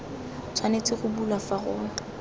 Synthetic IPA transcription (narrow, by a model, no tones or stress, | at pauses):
t͡sʰwanet͡sʼɪχʊbulwafaɣʊːŋa